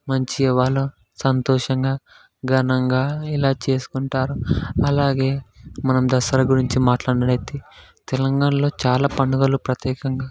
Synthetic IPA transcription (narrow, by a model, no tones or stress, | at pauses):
mɐɲt͡ʃiɛʋaːlːɐ | sɐnt̪ɔːʂɐŋɡaː | ɡɐnɐŋɡaːilaːt͡ʃe̞ːsu̥kuɳʈaːɾuɐlaːɡe̞ːmɐnɐmd̪ɐsɐɾɐɡuɾiɲt͡ʃimaːʈlaːɽɐɽɐjt̪et̪ɛlɐŋɡaːɳɐlo̞ːt͡ʃaːlaːpɐɳɖuɡɐlupɾɐt̪jɛːkɐŋɡaː